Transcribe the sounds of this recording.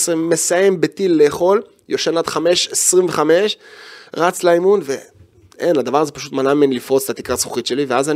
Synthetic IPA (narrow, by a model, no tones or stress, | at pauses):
simːesaje̞mbet̪ilːe̞ːχo̞l | jo̞ʃenad̪χame̞ʃesʁiɱve̞χame̞ʃʁat͡slaimunve̞ | enad̪avaʁazepaʃut̪manamenlifʁo̞t͡se̥t̪at̪i̥kasχuχitʃe̞liveazan